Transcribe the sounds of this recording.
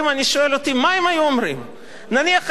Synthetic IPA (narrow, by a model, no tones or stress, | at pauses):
maniʃoe̞lo̞t̪imaimajuomɾim | naniaχ